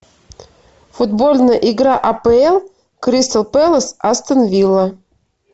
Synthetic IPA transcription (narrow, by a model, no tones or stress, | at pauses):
fud̪bolʲnəʔiɡɾɑʔɑpeelˠ | kɾʲist̪əlˠpelˠəsast̪ənvʲilˠːə